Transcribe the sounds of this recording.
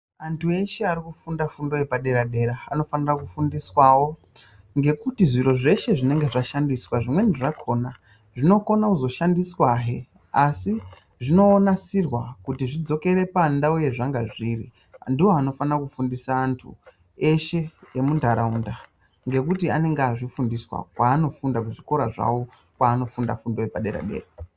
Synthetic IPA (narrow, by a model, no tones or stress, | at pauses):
antʰue̞ʃe̞arikufundafundo̞jepaɗe̞ɾaɗe̞ɾa̰ːno̞fanirakufundiswawo̞ | ŋɡe̞kutiʐiro̞ʐe̞ʃe̞ʐine̞ŋɡe̞ʐaʃandiswaʐimwe̞niʐakʰo̞na | ʐino̞ko̞nakuzo̞ʃandiswaɦe | asi | ʐino̞ːnasirwakutiʐid͡zo̞ke̞ɾe̞pandauje̞ʐaŋɡaʐiːri | ndiwoano̞fanakufundisaːntʰṵ | e̞ʃe̞jemundʱaɾaunda | ŋɡe̞kutiane̞ŋɡaʐifundiswa̰kwaːno̞fundakuʐiko̞ɾaʐa̰wo | kwaːno̞funda̰fundoepaɗe̞̰ɾa̰ɗe̞̰ːra